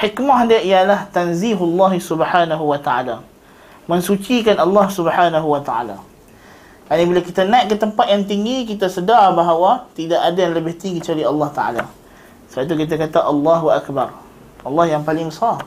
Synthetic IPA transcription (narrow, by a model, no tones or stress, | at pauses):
ħikmaɦdiaʔijalaht̪anziɦlːɑɦsubəħanaɦuwat̪aa̰la | mə̃ŋsut͡ʃikanɑlːɑhsubəħanaɦuwat̪aʔa̰la̰ | karnĩbilakit̪anaiʔ̚kət̪əmpat̪̚jaŋt̪̬iŋɡikit̪asədarbaɦawat̪idaʔadajaŋləbɪht̪iŋɡit͡ʃualiɑlːɑht̪a̰a̰la | səbaʔit̪ukit̪̬akat̪aʔɑlːaɦuʔakbar | ʔɑlːɑhjaŋpalɪŋbəsar